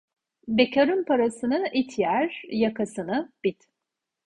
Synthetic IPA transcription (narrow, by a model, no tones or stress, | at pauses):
becʰaɾɯnpʰaɾasɯnɯʔit̪ʰjæɾjakʰasɯnɯb̥it̪